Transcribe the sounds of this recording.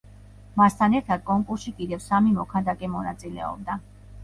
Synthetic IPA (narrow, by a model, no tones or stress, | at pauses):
mast̪ʰanɛɾt̪ʰad̪̥̚kʼɔŋkʼuɾsikʼid̪ɛvsamimɔkʰad̪akʼɛmɔnat̪sʼilɛɔ̰b̚d̪a